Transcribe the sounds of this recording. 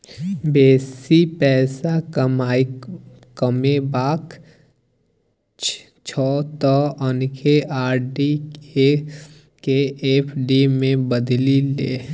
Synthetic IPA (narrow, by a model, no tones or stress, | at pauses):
beːsipɛːsaa | kəmebaːk | t͡ʃʰɔːt̪ɔʔənkʰeʔaːɾɖie | keeːpʰɖimẽbəd̪lilḛː